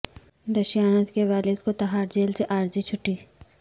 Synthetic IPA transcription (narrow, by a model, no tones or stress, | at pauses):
d̪ɐʃjaːnət̪keʋaːlɪd̪kot̪ɐɦaːɾd͡ʒeːlseʔaːɾd͡ʒit͡ʃʰʊʈːiː